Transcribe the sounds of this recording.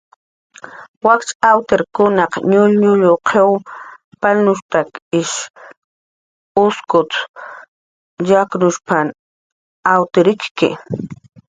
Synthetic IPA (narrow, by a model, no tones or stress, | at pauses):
wakt͡ʃawt̪eɾkʊnɑqɲʊʎɲʊʎoqʰew | palnʊʃt̪akɪʃ | ʊskʊt̪ | jaknʊʃpan | awt̪ɪɾɪkkɪ̰